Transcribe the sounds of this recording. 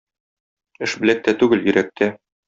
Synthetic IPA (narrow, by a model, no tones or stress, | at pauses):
ɘ̆ʃbɘ̆læk̚t̪æt̪ʉɡɘljɵ̆ɾʔæk̚t̪ʰæ